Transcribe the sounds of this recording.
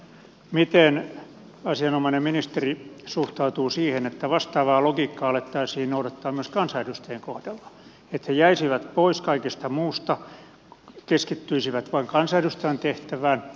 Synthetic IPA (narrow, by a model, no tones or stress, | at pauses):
mit̪en | ɑsiɑnomɑinemminist̪erisuht̪ɑut̪uːsiːhenet̪ːæʋɑst̪ɑːʋɑːloɡiːkːɑɑlet̪ːɑisiːnnoudɑt̪ːɑːmyøskɑnsɑjdust̪eːŋkohd̥ɑlːɑ̥ | et̪hejæisiʋæt̪poiskɑikest̪ɑmuːst̪ɑ | keskit̪ːyisiʋæt̪ʋɑiŋkɑnsɑjdust̪ænt̪eht̪æʋæːn